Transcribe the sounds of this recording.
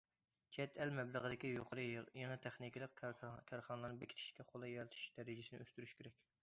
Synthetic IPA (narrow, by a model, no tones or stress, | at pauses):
t͡ʃʰɛt̪ʰɛlmɛblˠəʁəd̪ɪkʲijoqʰəɾɨjɑŋɛt̪ʰæχnikʲilˠəqkʲʰɛɾχɑnəlˠɑɾnɨbekʲʰi̥t̪ʰɪ̥ʃkʲɛχolˠɑjɑɾt̪ʰy̥ʃd̪̥ɛɾɪd͡ʒɪsɪnɪøst̪yɾyʃkʲʰeɾɛkʲ